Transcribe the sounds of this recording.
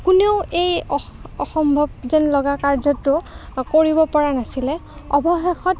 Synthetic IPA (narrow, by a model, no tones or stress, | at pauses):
kuneʊʔejɔxɔmbʱɔb̚zɛnlɔɡakaɹzɔtːʊkoɹibɔpɔɹanasilɛɔbɔxexɔt